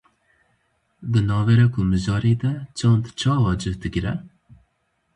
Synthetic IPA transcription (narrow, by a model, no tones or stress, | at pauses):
d̪ɨnɑːvɛɾɛkʰʊmɨʒɑːɾeːd̪ɛt͡ʃʰɑːnd̪t͡ʃʰɑːwɑːd͡ʒɨvd̪ɨɡɾɛ